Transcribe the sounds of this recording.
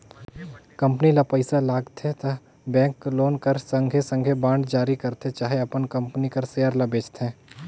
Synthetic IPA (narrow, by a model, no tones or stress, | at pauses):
kɐ̃mpnilapəɪsalaːɡt̪ɦet̪ɐ | bɛ̃ːŋkloːnkəɾsə̃ŋɡʱesə̃ŋɡʱebãːɳɖd͡ʒaːɾikɐɾt̪et͡ʃaːɦeɐpənkɐ̃mpnikɐɾseːəɾlɐbeːt͡ʃt̪ɦɛ̃ː